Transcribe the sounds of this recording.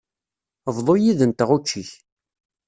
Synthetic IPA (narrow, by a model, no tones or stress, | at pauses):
vðˤojiðənt̪ʁut͡ʃːiç